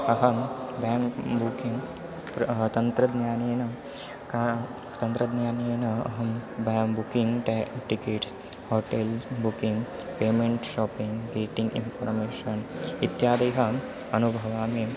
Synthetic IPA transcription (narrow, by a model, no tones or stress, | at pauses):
ɐɦɐmbaːŋkbukiŋɡ | pt̪ɐnt̪ɾɐd̪njaːneːnɐ | kː | t̪ɐnt̪ɾɐd̪njaːneːnɐɐ̰ɦɐmbaːŋbukiŋɡʈikeːʈs | hoːʈelbukiŋɡpeːmeɳʈʃɔːpiŋɡɡeːʈiŋɡinpʰɐɾmeːʃɐnit̪jaːd̪ɐjɦɐ | ɐnubʱɐʋaːme